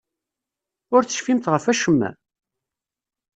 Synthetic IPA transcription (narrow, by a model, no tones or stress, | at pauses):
ʊɾt͡sːə̥ʃfimt̪ʁəfæʃəmːæ̰